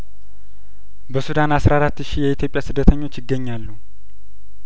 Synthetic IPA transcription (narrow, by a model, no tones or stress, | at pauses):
bəsud̪anasɾaɾat̪ːʃijɛit̪ʰjo̞pʼjasɨd̪ːət̪ʰəɲːo̞t͡ʃːjɪɡːəɲːalːu